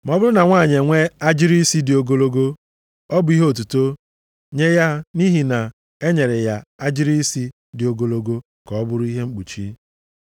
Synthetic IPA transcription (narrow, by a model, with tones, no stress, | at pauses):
m˦ɔ˦bʊ˦ɾʊ˦na˨ŋʷaː˦˨ɲe˨ŋʷe˦a˦d͡ʒɪ˦ɾi˦si˦dɪ˨o˨ɡo˦lo˦ɡo˦ | ɔ˦bʊ˨˦i˦ɦo˨t̬u˨to˦ | ɲe˦ja˦ni˦ɦi˨na˨ | e˦ɲe˨ɾe˨ja˨a˦d͡ʒɪ˦ɾi˦i˦si˦ | dɪ˨o˨ɡo˦lo˦ɡo˦ | kɔ˨ɔ˦bʊ˦ɾʊ˦i˦ɦe˦ŋ͡m̩˦k͡pu˨t͡ʃi˦